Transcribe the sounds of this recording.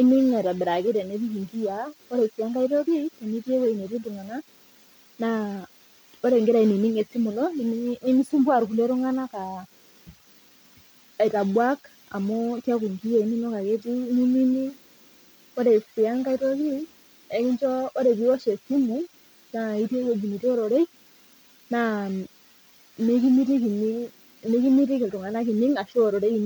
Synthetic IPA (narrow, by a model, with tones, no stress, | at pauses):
i˦ni˦ŋ˦na˨i˨ɾa˨bɛ˨ɾa˨ke˦ɾɛ˨nɛ˦ti˦ki˨ŋɡi˦a˨ɔ˦ɾɛ˨si˨a˦ŋɡa˦i˦ɾɔ˦βi˦tɛ˨ni˦ti˦ɛ˦wɛ˦i˨nɛ˨ti˦tu˨ŋa˨na˦ | na˨ | ɔ˦ɾɛ˨ŋɡɛ˦ɾa˨i˨ni˨ni˦ŋɛ˨si˦mu˨nɔ˦ni˨m˦ni˦ni˦si˦mbwa˨ɾu˨ku˨nɛ˦ɾu˦ŋa˦na˦ka˨ | i˨ta˨bwa˦k | a̰˨mɔ˦kja˦ku˨ŋki˦e˨i˨˦ni˦nɔ˦ka˨ke˦t̬i˦ni˦ni˦ni˦ | ɔ˦ɾe˨si˨a˦ŋka˦i˦tɔ˦ki˦ | ɛ˨ki˦nt͡ʃɔ˦ɔ˦ɾɛ˨ki˦ɔ˦ʃe˨si˦mu˨ | na˨i˦te˦ko˦d͡ʒi˨ni˨ti˦ɔ˦ɾɔ˨ɾe˦i˦ | na˨ | ne˦ki˦mi˦ɾi˦ki˨ni˦ŋ | ne˦ki˦mi˦ɾi˦ktu˨ŋa˨na˦ki˨ni˦ŋa˨ʃɔ˦˨ɾɔ˨ɾe˦i˨ni˦